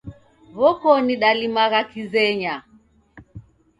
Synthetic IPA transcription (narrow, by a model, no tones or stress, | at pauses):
βɔkɔniɗalimaɣakizɛɲa